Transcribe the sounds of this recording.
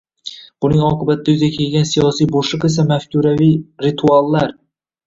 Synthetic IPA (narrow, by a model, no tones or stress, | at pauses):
b̥ʊnɪŋɒqʰɨbat̪ɪd̪ajʊzʲakʲʰe̞lɡʲansijɒsijboʃɨqes̬amafkʲuɾavijɾɪt̪ʰualˠːaɾ